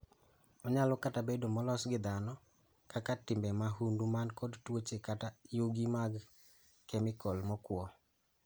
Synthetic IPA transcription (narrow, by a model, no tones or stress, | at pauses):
ɔɲalokatabedomɔlɔsɡɪd̪anɔ | kakatɪmbɛmaɦundumankodtwot͡ʃekatajoɡimaɡ | kɛmɪkɔlmɔkwɔ